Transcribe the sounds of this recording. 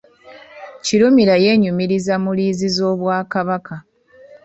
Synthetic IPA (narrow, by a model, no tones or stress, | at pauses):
ciɾumiɾaje̞ːɲumiɾizamuliːzizo̞ːβwaːkaβaka